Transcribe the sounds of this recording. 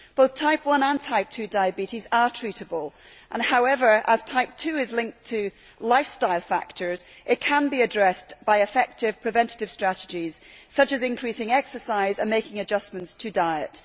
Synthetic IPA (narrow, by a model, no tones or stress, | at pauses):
b̥oʊθtʰaɪpʰwʌ̃nə̃ntʰaɪp̚tʰʉːdaɪɨbiʔizə˞tʰɹ̥iʔəbəlˠʔə̃nhaʊɛvə˞ʔəz̥tʰaɪp̚tʰʉːɪzlˠɪ̃ŋk̚tʰɨ | lˠaɪfstaɪlˠfa̰k̚tʰə˞z̥ʔɪʔ̚kʰə̃nbiɨdɹɛsb̥aɪɨfɛk̚tɪv̥pʰɹ̥ɨvɛ̃ntɪ̥tɪv̥stɹ̥aʔɪd͡ʒiz̥sʌt͡ʃɨzɪ̃nkʰɹ̥isɪ̃ŋɛksə˞saɪzə̃nmeɪkɪ̃ŋɨd͡ʒʌsmə̃ntstʰɨdaɪəʔ